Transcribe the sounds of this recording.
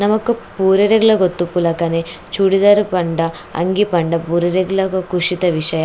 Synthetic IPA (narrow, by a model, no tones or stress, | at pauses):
nɐmɐkːupuːɾɐɾɐɡuɭɐɡot̪ːupːulɐkɐne | t͡ʃuːɽid̪aːɾupɐɳɖɐ | ɐ̰ŋɡipɐɳɖɐpuːɾɐɾɐɡuɭɐkukuʂit̪ɐʋiʂɐjɐ